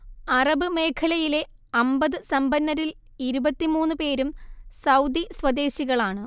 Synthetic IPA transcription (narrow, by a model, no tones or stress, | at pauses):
ɐrɐbɨme̞ːkʰɐlɐjile̞ | ɐmbɐðɨsɐmbɐnːɐɾil | iɾubɐt̪ːimuːnːɨpe̞ːɾumsɐwd̪iswɐd̪e̞ːɕiɣɐɭaːɳɨ